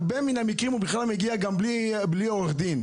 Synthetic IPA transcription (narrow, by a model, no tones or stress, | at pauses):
benminamikʁimubiχlalmeɡiaɡambli | blioʁeχd̪in